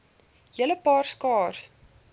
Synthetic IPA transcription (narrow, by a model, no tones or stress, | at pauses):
jələpɑːrskɑːrs